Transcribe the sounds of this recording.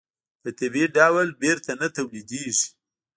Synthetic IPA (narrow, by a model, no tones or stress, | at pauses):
d̪̥ət̪ɪbeɖawalbeɾt̪anat̪awlid̪eʐi̥